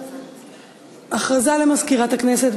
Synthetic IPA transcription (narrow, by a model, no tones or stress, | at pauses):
ʔaχʁazalemazkiʁathakneset